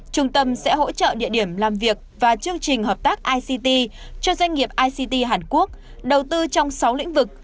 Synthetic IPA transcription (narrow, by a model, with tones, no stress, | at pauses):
t͡ɕʊ˧ŋ͡mt̪ə˧msɛ̰˧˥ɦo̰˧˥t͡ɕə̰ː˧˨ɗḭ˧˨əɗi˧˩əmlaː˨˩mvi˨˩ək̚vaː˨˩t͡ɕɨ˧əŋt͡ɕï˨˩ŋ̟ɦəː˨˩p̚t̪aː˦˥k̚ʔaː˧jsi˧t̪i˧t͡ɕɔ˧zwa˧jŋ̟ŋi˨˩əp̚ʔaː˧jsi˧t̪i˧ɦaː˨˩nku˦˥ək̚ | ɗə˨˩wt̪ɨ˧t͡ɕɔ˧wŋ͡msa˨˦wlḭ̈˧˥ŋ̟vɨ˨˩k̚